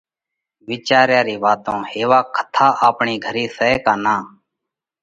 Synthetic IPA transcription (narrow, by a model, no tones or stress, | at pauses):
ʋiːt͡ʃaːɾjaːɾiːʋaːt̪õːheːʋaːkʰə̥t̪ʰaːʔaːpɳiːɡʱəɾiːsəeːkaːnaː